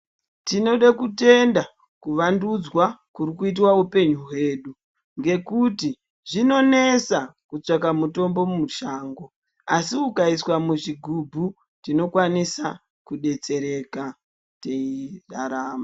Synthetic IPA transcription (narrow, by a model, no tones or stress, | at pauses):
tino̞ɗakute̞nda | kuʋandud͡zwakuɾikuit̬waupe̞ɲuwe̞ːɗu | ŋɡe̞kuti | ʐino̞ne̞sakut͡ʂak̬amuto̞mbo̞mumuʃaːŋɡo̞ | asiukaiswamuʐiɡʱubʱu | tino̞kwanisa | kuɗe̞t͡se̞ɾe̞ka | teira̰ɾaːma